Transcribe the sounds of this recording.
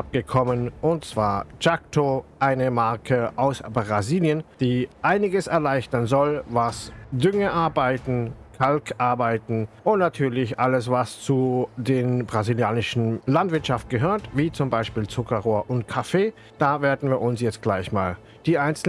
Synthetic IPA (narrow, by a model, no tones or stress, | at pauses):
ap̚ɡ̥əkʰɔmənʔʊnt̚t͡sv̥aːɐt͡ʃak̚tʰoʔaɪnəmaɐkʰəʔaʊsbʁaziːljənd̥iːʔaɪnɪɡəsɛɐlaɪçtɐnzɔlvasdʏŋəʔaɐbaɪtn̩kʰalkʰʔaɐbaɪtn̩ʔʊntnatʰyːɐlɪçʔaləsvast͡sudeːnbʁaziljaːnɪʃn̩lantv̥ɪɐtʃaftɡ̥əɦøːɐtv̥iːt͡sʊmbaɪʃpiːlt͡sʊkɐʁoːɐʔʊnt̚kʰafeː | d̥aːveːɐdn̩viːɐʔʊnsjɛt͡st̚ɡ̥laɪçma̰ːl | d̥iːʔaɪnt͡sl̩